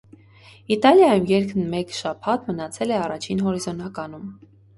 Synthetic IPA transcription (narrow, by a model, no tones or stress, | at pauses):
it̪ɑljɑjumjɛɾkʰənmɛkʃɑpʰɑt̪mənɑt͡sʰɛlɛɑrɑt͡ʃʰinɦɔɾizɔnɑkɑnum